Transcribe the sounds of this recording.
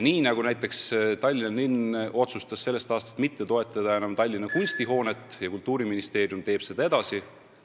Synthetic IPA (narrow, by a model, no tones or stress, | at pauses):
niːnɑɡ̥unæjt̪ːˑe̞kst̪ɑlʲːinɑnino̞t̪sust̪ɑsse̞lːest̪ɑːst̪ɑ̥st̪mit̪ːe̞t̪o̞e̞t̪ˑːɑd̪̥ɑe̞nɑmt̪ɑlʲːinɑkunʲst̪iɦo̞ːne̞t̪ːˑjɑkult̪ːˑuːɾiminist̪e̞ːɾjumt̪e̞ːb̥se̞d̪ɑe̞d̪̥ɑsi